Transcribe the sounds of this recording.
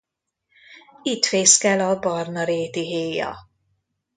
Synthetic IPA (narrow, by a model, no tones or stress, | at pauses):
it̪feːskɛlɒbɒrnɒɾeːt̪iɦeːjɒ̰